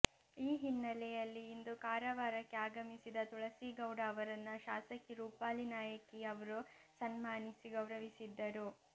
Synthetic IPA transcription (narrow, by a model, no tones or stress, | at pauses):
iːɦinːɐlɛjɐlːiːnd̪ukaːɾɐʋaːɾɐkːeaːɡɐmisid̪ɐt̪uɭɐsiɡɐwɖaːʋɐɾɐnːɐʃaːsɐkiɾuːpaːlinaːjɐkiɐʋɐɾusɐnmaːnisiɡɐwɾɐʋisid̪ːɐɾu